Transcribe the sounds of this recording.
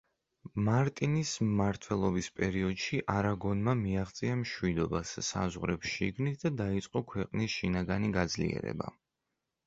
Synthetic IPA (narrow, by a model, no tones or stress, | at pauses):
maɾt̪ʼinismaɾt̪ʰwɛlˠɔbispʼɛɾiɔd̪ʃiʔaɾaɡɔnmamiaʁt̪sʼiamʃwid̪ɔbasːa̰zʁɾɛpʃiɡnit̪̚ʰd̪ad̪ait̪sʼqʼɔkʰwɛqʼnisʃinaɡaniɡad̪zlḭɛ̰ɾɛ̰ba̰